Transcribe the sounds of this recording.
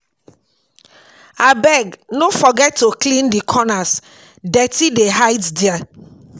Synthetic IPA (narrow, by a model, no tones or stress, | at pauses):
abɛɡnofɔɡɛtːoklĩndikʰɔnas | dɛtideɦaɪtdia